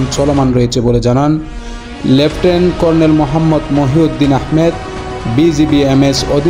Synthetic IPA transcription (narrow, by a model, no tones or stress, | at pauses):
nt͡ɕɔlomanɾoet͡ɕʰeboled͡ʑanan | lepʰʈenkɔɾnelmoɦamːɔd̪moɦiod̪ːinahmed̪ | bid͡ʑibiemesod̪ʱ